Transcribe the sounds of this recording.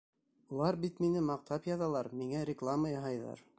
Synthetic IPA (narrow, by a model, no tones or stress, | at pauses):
ulˠɑɾbit̪minɘmɑq̚t̪ɑpjɑðɑlˠɑɾmiŋæɾʲɪklˠaməjɑɦɑjðɑ̰ɾ